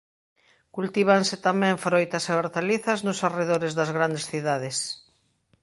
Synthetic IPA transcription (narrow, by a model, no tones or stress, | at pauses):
kult̪iβ̞ansɪt̪amɛ̃ɱfɾojt̪aseoɾt̪aliθaznʊsareðoɾezðazɣɾand̪esθiðaðes